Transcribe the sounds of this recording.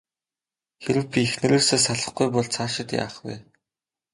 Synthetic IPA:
xeɾɘ̆wpʲiexnɘ̆ɾeːrseːsaɮə̆χɡujpɔɮt͡sʰaːʃɪ̆t̪ja̰ːχwɛ̰ː

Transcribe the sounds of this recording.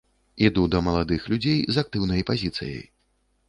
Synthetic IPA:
id̪ud̪ɐmɐlˠad̪ɨxlʲud͡zʲejzak̚t̪ɨwnɐjpazʲit̪sɨ̰jɐ̰j

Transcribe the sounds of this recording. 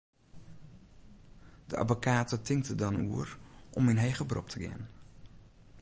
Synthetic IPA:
dəa̰dvokaːtətɪŋktədɑnuərʔɔmənɦejχəbrɔ̰p̚tʰəɡɪ̰ən

